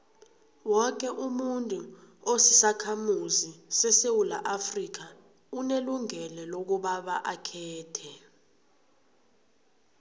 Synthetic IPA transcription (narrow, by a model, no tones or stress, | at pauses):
wɔk̬ʼɛʔumuntʼuosi̥sakʰamuzisɛsewula̰ʔafrik̬a | uneluŋɛlɛlok̬uɓaɓaʔakʰɛːtʰɛ